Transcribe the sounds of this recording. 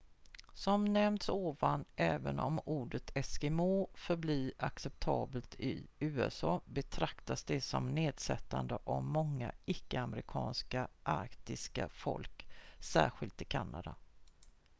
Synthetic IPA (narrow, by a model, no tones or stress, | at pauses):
sɔmnɛmd̪soːvanʔɛːvənɔ̰muːɖət̪ʰɛsɡɛmoːfœɾbliːɾaksɛp̚t̪ʰɑːbəlt̪ʰɪʉ̟ːɛsɑːbɛt̪ʰɾakt̪asd̪ɛsɔmneːd̪sɛt̪ːand̪əʔavmɔŋːaɪkːəamɾɪkʰɑːnskaʔaɾkt̪ɪska̰fɔlksæːɧɪlt̪ʰɪkʰanːa̰d̪a̰